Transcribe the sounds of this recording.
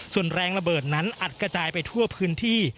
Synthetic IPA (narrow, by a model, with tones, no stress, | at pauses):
su˨˩ənɾɛː˧ŋɾa˧bɤː˨˩t̪̚na˦˥nʔa˨˩t̪̚kɾa˧t͡ɕaː˧jpa˧jt̪ʰu˥˩ɐpʰɯː˦˥nt̪ʰiː˥˩